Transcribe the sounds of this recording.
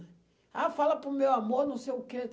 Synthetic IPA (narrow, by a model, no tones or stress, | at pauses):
afalɐpɾʊmewamoɾnɐ̃w̃sejʊke